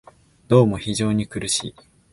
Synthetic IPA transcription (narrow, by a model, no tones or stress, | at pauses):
d̪̥o̞ːmo̞çiʑo̞ːɲ̟ikɯ̟ɾɯ̟ɕḭː